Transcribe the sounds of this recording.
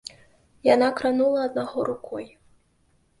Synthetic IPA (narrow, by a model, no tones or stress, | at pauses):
janakɾanulˠɐːd̪̚naɣɔɾukʰɔj